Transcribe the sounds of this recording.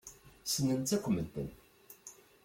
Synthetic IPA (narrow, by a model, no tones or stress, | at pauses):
sənənt̪ækʷːəmːənt̪ə̰n